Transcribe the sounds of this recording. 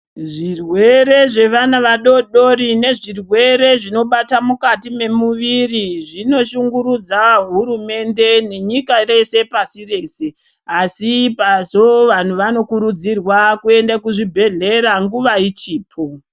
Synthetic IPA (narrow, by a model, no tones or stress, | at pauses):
ʐirwe̞ɾe̞ʐe̞ʋanaʋaɗo̞ɗo̞ɾine̞ʐirwe̞ɾe̞ʐino̞ɓatamukatime̞muʋiriʐino̞ʃuŋɡuɾud͡zaɦuɾume̞nde̞ne̞ɲikare̞se̞pasire̞ːse̞ | asipazo̞ʋan̤uʋano̞kuɾud͡zirwakue̞ndakuʐibʱe̞ɮe̞ɾaŋɡuʋait͡ʃiːpʰo̞